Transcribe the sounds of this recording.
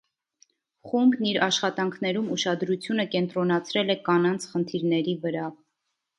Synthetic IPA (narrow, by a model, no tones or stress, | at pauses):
χumbniɾɑʃχɑt̪ɑŋkʰnɛɾumuʃɑd̪ɾut͡sʰjunəkɛnt̪ɾɔnɑt͡sʰɾɛlɛkɑnɑnt͡sʰχənt̪ʰiɾnɛɾivəɾɑ